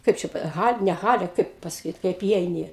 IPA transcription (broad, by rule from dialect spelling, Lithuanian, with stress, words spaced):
ˈkɐɪp t͡ʃʲɛ ˈɣɐlʲ nʲɛ ˈɣɑːlʲɛ ˈkɐɪp pɐsɐˈkʲiːt kɐɪp iːˈɛɪnʲɪ